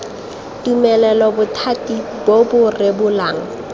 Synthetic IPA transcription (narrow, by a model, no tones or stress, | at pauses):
tʼumɛlɛlɔbʊtʰatʼi | bobʊrebʊlaːŋ̩